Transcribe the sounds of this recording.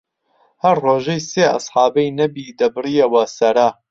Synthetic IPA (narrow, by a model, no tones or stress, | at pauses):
hɐɾroːʒejseːʔɐ̰sħɑːbɐjnɐbid̪ɐbɨrijɐwɐsɐɾa